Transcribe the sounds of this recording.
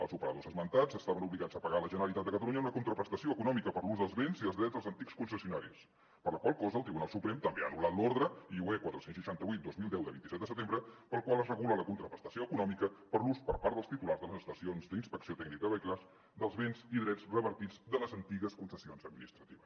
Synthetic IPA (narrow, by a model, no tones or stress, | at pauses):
ə̰lˠzupəɾəðozəzmənt̪azəst̪aβənuβliɣadzəpəɣaləʒənəɾəlit̪at̪̚d̪əkət̪əluɲəunəkunt̪ɾəpɾəst̪əsioəkunɔmikəpəɾluzðəlˠzβenziðəlˠzðɾɛdzðəlˠzənt̪ikskunsəsiunaɾis | pəɾləkwalˠkɔzəlˠt̪ɾiβunalˠsupɾɛmt̪əmbea̰ːnulat̪loɾðɾəiuɛkwat̪ɾəsensʃəʃant̪əβujt̪̚d̪ozmilˠd̪ɛwd̪əβḭnt̪isɛt̪d̪əsət̪embɾəpəlˠkwalˠəzrəɣulələkunt̪ɾəpɾəst̪ə̥sioəkunɔmikəpəɾluspəɾpaɾt̪əlˠst̪it̪ularzðələzəst̪əsionzd̪inspəksiot̪ɛɡnikəəβəjklaz | d̪əlˠzβenziðɾɛd͡zrəβəɾt̪id͡zd̪ələzənt̪iɣəskunsəsionzəd̪minist̪ɾət̪iβəs